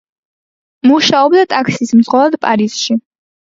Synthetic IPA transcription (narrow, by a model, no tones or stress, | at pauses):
muʃaɔbd̪at̪ʼakʰsismd̪zʁɔlˠad̪̚pʼaɾiz̥ʃi